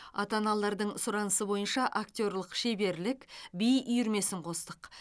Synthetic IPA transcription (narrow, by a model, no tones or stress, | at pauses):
ɑt̪ɑnɑlˠɑɾd̪əɴsʊɾɑnəsəbo̞jənʃɑʔak̚t̪ʲo̞rlˠəqʃe̞be̞ɾlɪkʲbijʏjʏɾme̞sɪɴqʰo̞st̪əq